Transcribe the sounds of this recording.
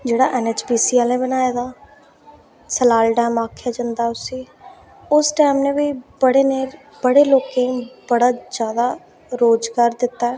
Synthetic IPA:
d͡ʒeːɽa̰ːʔɛːneːt͡ʃbiːsiːaːlẽːbənaːjaːd̪aː | səlaːlɖɛːmaːkʰjaːd͡ʒãːnd̪aːʊsĩː | ʊsʈɛːmnẽːʋiːbəɽeːneː | bəɽeːloːkẽbəɽaːd͡ʒjaːd̪aː | ɾoːd͡ʒɡaːɾd̪ɪt̪ːaːɛː

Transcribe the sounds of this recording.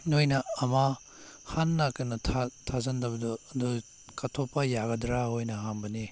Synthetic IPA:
nojnɐɐma | hanːɐkɯnɐtʰatʰazɐndɐbɐdɔːdu | kɐtʰopːɐjaɡɐdɾaɦojnɐɦanbɐne

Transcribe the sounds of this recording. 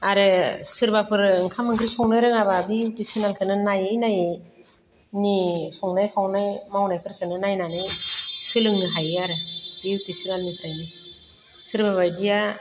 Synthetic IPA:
aɾɯsɯɾbapʰɯɾɯŋkʰamɯŋkʰɾisɔŋnɯɾɯŋababitisinalkʰɯnɯnajajnaj | nisɔŋnajkʰawnajmawnajpʰɯɾkʰɯnɯnajnanɯjsɯlɯŋɯɦajaɾɯb̥itisinalnipʰɾajni | sɯɾbaβajdija

